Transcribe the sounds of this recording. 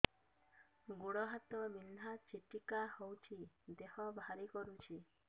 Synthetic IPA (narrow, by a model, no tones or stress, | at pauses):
ɡoɽɔɦat̪ɔmin̤ːat͡ʃiʈikahowt͡ʃʰid̪ehɔbʱaɾikɔɾut͡ʃʰi